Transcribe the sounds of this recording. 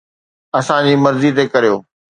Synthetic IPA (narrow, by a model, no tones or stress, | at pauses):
ɐsãd͡ʑiːmɐɾzit̪̬ekɐɾijoː